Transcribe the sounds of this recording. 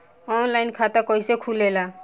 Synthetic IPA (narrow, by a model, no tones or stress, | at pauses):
ɔnlajnkʰat̪akɔjsekʰulela